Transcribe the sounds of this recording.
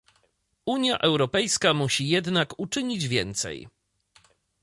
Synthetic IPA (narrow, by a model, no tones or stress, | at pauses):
uɲja̰ʔɛwɾɔpɛjskamuɕijɛd̪nakut͡ʂɘɲid͡ʑvʲjɛnt̪sɛ̰j